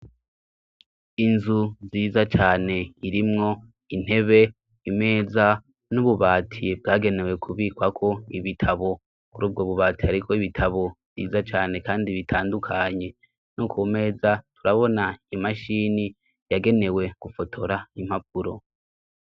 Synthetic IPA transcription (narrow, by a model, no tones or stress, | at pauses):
inzuziːzat͡ʃaːne̞iɾimŋo̞ | in̥e̞βe̞ | ime̞ːza | nuβuβaːtʰib̚ɡaːɡe̞ne̞we̞kʰuβiːkwakʰo̞iβitʰaβo̞ | kuɾuːb̚ɡo̞βuβaːtihaɾikʰo̞iβitʰaβo̞̥ | ḭːzat͡ʃaːne̞kaːndiβitʰaːndukʰaɲe̞ | nukume̞ːzatuɾaβo̞naimaʃiːni | jaɡe̞ne̞we̞ɡ̥ufo̞tʰo̞ɾaim̥hap̚uɾo̞̰